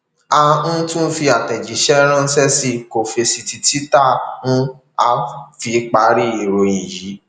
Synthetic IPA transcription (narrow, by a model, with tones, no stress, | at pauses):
a˧ñ̩˦tũ˦fi˧a˨tɛ˨d͡ʒi˨˦ʃɛ˦ɾ̃ã˦˧n̩˦sɛ˦si˧ko˨fe˧si˧ti˧ti˦ta˦˨nũ˦ | a˧fi˧k͡pa˧ɾi˦i˨ɾo˨ĩ˨ji˨˦